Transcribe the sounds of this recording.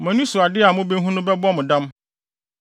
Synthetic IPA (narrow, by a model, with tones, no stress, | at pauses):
mɛ̃˨nũ˦su˨a˨dɪ˦a˨mʊ̃˦be˦ɦũ˦nʊ̃˦bɛ˦bɔ˦mʊ̃˨dã˦m